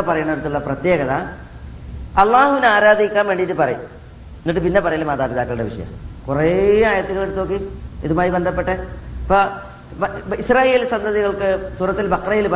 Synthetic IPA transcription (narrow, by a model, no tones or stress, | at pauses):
pɐrɐjuɳɐðeɽut̪ːuɭːɐprɐt̪jeːɣɐða | ɐlˠːaːhuʋinaːɾaːd̪ʱikʲːaːnʋeːɳɖijitːɨpɐrɐju | inːiʈːɨpinːe̞pɐrɐjaːlmaːd̪aːbiðaːkːɐɭuɽeʋḭʂɐ̰jɐ̰mkureaːjɐt̪ːuɣɐɭeɽut̪ːo̞ːk̬ːiiðumaːjibend̪ʱɐpːeʈːepo | israːje̞ːlsɐnd̪ɐðiɣɐɭkɨsuːɾɐt̪ːilbɐqrɐjilp